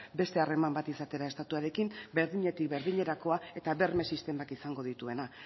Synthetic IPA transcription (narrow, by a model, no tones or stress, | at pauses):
be̞st̪e̞are̞mambat̪isat̪e̞ɾae̞st̪at̪uaɾe̞kimbe̞ɾðiɲe̞t̪ik̚be̞ɾðiɲe̞ɾako̞ae̞t̪aβe̞ɾme̞sist̪e̞makisaŋɡo̞ð̞it̪ue̞na